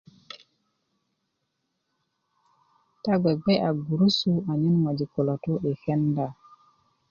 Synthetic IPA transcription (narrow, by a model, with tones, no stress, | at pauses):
ta˦ɡʷe˨ɡ͡be˦ʔa˨ɡu˨ɾu˦su˦a˨ɲi˦nŋa˨d͡ʒi˨ko˨lo˨to˦ʔe˨xɛ˦nda˦˨